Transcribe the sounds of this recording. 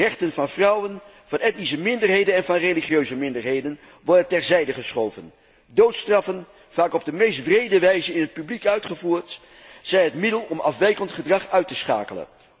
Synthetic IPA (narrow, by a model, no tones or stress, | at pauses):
rɛχtənvɑnvrʌwən | v̥ɑnɛt̚nisəmɪndərɦejdənɛnvɑnreliχjøɥzəmɪndəɹɦejdən | ʋɔɹdəntɛɹzɛjdəχəsχowvən | dowtstrɑfən | v̥aːkɔb̚dəmejstbrejdəʋɛjzənɪnɦət̚pyblikœɥtχəvuːɹt | z̥ɛjnɦətmɪdəlˠɔmɑ̰fʋɛjkəntχədrɑχœɥtəsχa̰ːkələ̰n